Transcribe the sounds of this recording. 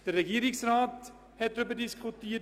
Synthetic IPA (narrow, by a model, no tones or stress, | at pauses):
d̥əɾəχiəɾiŋsrɑːt | ɦɛtrup̬ədiskutiə